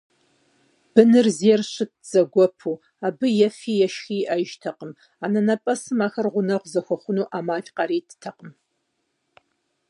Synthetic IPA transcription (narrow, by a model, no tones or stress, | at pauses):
b̥ɨnɨrziɛrɕɨt̚z̥ɐɡʷɔpʰuː | aːbɨjɛfiːjɛʃxiːʔɐʒtʰɐqəm | aːnɐnɐpʼɐsɨmaːxɐrʁʷʊnɐʁʷzɐxʷɐχʷʊnuːʔaːmaːɬʼqɑɐɾiːtʰɨ̥tʰɐqʼəm